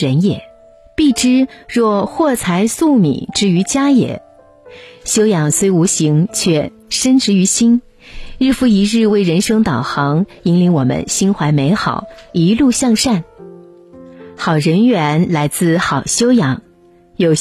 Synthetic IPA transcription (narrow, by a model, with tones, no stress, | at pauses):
ə˧˥njɛ˨˩˦ | pi˥˩ʈ͡ʂɻ̩˥ɻwɔ˥˧xwɔ˥˩t͡sʰa˧˥ɪsu˥˩mḭ˨˩˦ʈ͡ʂɻ̩˥y˧˥t͡ɕja˥jɛ̰˨˩˦ | ɕjo˥ʊjɑ˨˩ŋswe˥ɪu˧˥ɕi˧˥ŋt͡ɕʰɥɛ˥˩ | ʂə˥nʈ͡ʂɻ̩˧˥y˧˥ɕi˥n | ɻɻ̩˥˩fu˧˥i˧˥ɻɻ̩˥˧we˥˩ɪɻə˧˥nʂɤ˥ŋt̪ɑ˨˩ʊxɑ˧˥ŋi˧˥ŋli˧˥ŋwɔ˨˩mə̰˧˥nɕi˥nxwa˧˥ɪme˧˥ɪxɑ̰˨˩˦ʊi˧˥lu˥˧ɕjɑ˥˧ŋʂa˥˩n | xɑ˨˩ʊɻə˧˥nɥɛ˧˥nla˧˥ɪt͡sɹ̩˥˩xɑ˨˩ʊɕjo˥ʊjɑ˨˩˥ŋ | jo˨˩ʊ